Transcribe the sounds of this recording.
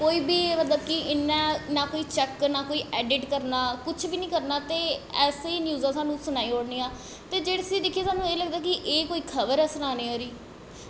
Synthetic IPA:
koːiːbiːmət̪ləb̚kɪʔɪnːãːnaːkoːiːt͡ʃɛknaːkoːiːʔɛːɖɪʈkəɾnaːkʊt͡ʃʰbiːnĩːkəɾnaːt̪eːɛːseiːnjuːzãːsãːnũːsʊnaːiːɦoːɽniːãː | t̪eːd͡ʒeːɽiːd̪ɪkʰːieːsaːnũːeːləɡd̪aːk̬ɪʔeːkoːiːkʰəʋəɾɛːsʊnaːneːoːɾiː

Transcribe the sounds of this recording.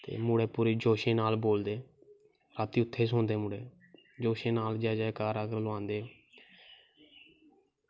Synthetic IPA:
t̪ḛːmuːɽeːpuːɾeːd͡ʒoːʃẽːnaːlboːld̪eː | ɾaːt̪iːʊt̪ʰːeːsɦõːnd̪eːmuːɽeː | d͡ʒoːʃẽːnaːld͡ʒaːd͡ʒaɛkaːɾaːɡəɾlʊãːnd̪eːo

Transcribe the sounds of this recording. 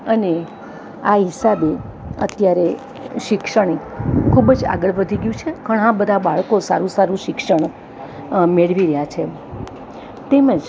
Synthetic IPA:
əne | aɦisabe | ə̰t̪jaɾe | ʃɪkʃəɳ̃e | kʰubd͡ʒa̰ɡəɭʋəd̪ʱiɡjũt͡ʃʰeɡəɳɦãbəd̪ʱabaɭkosaɾũsaɾũʃɪkʃəɳ̃ | meɭʋiɾəjat͡ʃʰe | t̪emə̃d͡ʒ

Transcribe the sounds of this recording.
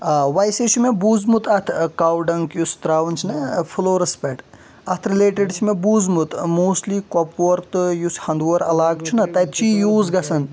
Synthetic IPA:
ʋɐjset͡ʃʰumebuːzmut̪ɐt̪ʰkaːwɖɐŋkjust̪ɾaːʋɐnt͡ʃʰinɐpʰuloːɾɐspɐʈ | ɐt̪ʰɾileːʈeɖt͡ʃʰimẽbuːzmut̪moːsʈlikɔpʋɐɾt̪ɨjushɐnd̪ʋoɾɐ̰laːɡt͡ʃʰunɐt̪ɐj̪t͡ʃiːjuːzɡɐsɐn

